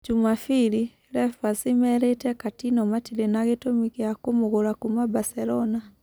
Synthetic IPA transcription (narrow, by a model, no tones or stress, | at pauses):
d͡ʒumafiɾi | ɾɛfasimɛɾetɛkatinɔmatilenaɣetomiɣjakomoɣoɾakumabasɛɾɔna